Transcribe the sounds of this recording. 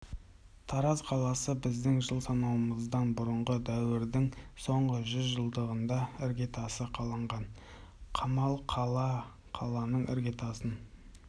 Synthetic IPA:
t̪ʰɑɾɑzqʰɑlˠɑsəbɪzd̪ɪŋʒəlˠsɑnɑwəməzd̪ɑnbʊɾəɴʁəd̪æwɪɾd̪ɪŋso̞ɴʁəʒʏzʒəlˠd̪əʁənd̪ɑɪɾɡʲet̪ɑsəqʰɑlˠəɴʁɑn | qʰɑmɑlˠqʰɑlˠɑ | qʰɑlˠɑnəɴɪ̰ɾɡʲe̞t̪ɑsən

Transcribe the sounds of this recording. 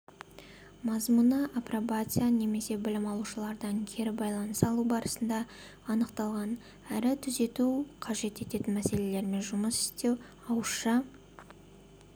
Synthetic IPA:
mɑzmunəʔaprobat̪sɨjane̞me̞se̞bɪlɪmɑlˠuʃəlˠɑɾd̪ɑŋkʲʰe̞ɾɪbɑjlˠɑnəsɑlˠubɑɾəsənd̪ɑː | nəqt̪ɑlˠʁɑn | æɾɪt̪ʰʏze̞t̪uqʰɑʒe̞t̪e̞t̪e̞t̪ɪnmæse̞le̞le̞ɾɪme̞nʒʊməsɪ̥st̪e̞w | ɑwəʃɑ

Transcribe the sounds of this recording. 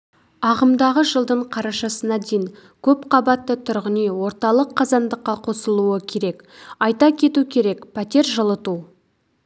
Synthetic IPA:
ɑʁəmd̪ɑʁəʒəlˠd̪əɴqʰɑɾɑʃɑsənɑd̪ejŋ | kʲʰɵpqʰɑbɑt̪ːət̪ʰʊɾʁənijwo̞ɾt̪ɑlˠəqʰːɑzɑnd̪əqːɑqʰo̞səlˠuəkʲʰe̞ɾe̞k | ɑjt̪ɑkʲʰe̞t̪ukʲʰe̞ɾe̞kpʰæt̪e̞ɾʒəlˠət̪u

